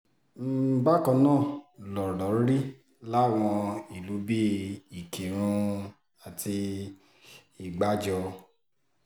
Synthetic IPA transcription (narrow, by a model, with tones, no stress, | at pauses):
m̩˦ba˦kɔ̃˧nãː˦˨lɔ˨ɾɔ˨˦ɾi˦ | la˦˨w̃ɔ̃˧i˨lu˨˦bi˦i˨kʰĩ˨ɾ̃ũ˧ | a˨ti˧ | i˨ɡ͡ba˨˦d͡ʒɔ˧